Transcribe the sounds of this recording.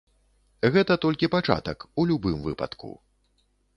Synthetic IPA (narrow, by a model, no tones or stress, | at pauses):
ɣɛt̪ɐt̪ɔlʲkʲipat͡ʂa̰t̪ɐkulʲubɨmvɨ̰pɐ̰t̪kṵ